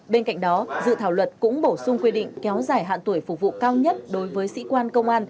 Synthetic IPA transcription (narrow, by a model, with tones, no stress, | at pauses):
ɓe˧nka̰˧˨jŋ̟̚ɗɔ˨˦zɨ̰˧˨t̪ʰaː˧˩wlwə˨˩t̚kʊ̰˧˥ŋ͡mɓo˧˩sʊ˧ŋ͡mkwi˧ɗḭ̈˧˨ŋ̟kɛ˨˦wzaː˧˩jɦa̰ː˧˨nt̪u˧˩əjfʊ˨˩k̚vṵ˧˨kaː˧wɲə˦˥t̚ɗo˨˦jvəː˨˦jsḭ˧˥kwaː˧nkə˧wŋ͡mʔaː˧n